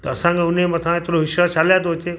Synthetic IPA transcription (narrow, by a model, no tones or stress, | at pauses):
t̪ɐsãŋkeʊnẽmɐt̪ʰãet̪ɾoʋɪʃaɾt͡ʃaljat̪̬oɦot̪ʰe